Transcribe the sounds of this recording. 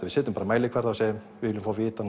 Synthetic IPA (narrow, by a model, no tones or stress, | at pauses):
avɪðsɛːt̪ʏmpaːɾamajlɪkʰv̥ɛɾðasɛːjɪmvɪðɪlʏmfawvɪːt̪an